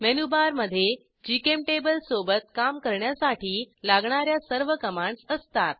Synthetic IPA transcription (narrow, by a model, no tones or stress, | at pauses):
menubaɾməd̪ʱːje | d͡ʑikemʈebəlsobət̪̚kamkəɾɳjasaʈiːlaɡɳ̃aɾjasəɾʋəkəmaɳsəst̪at̪̚